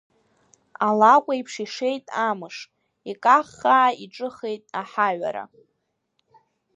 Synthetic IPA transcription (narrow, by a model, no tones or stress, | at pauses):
alakʷʼaipʰʂiʂe̞jtʼamɨʂ | ikʼaχːaʕaiʈ͡ʂʼɨχejtʼaħaɥʷa̰ɾa̰